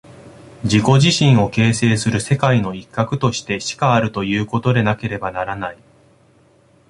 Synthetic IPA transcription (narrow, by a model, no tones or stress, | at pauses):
d͡ʑiko̞ʑiɕĩɰ̃o̞ke̞ːse̞ːsɨɾɯ̟se̞kaino̞ikːakɯ̟t̪o̞ɕi̥t̪e̞ɕi̥kaːɾɯ̟t̪o̞jɯ̟ːko̞t̪o̞d̪e̞nake̞ɾe̞banaɾanai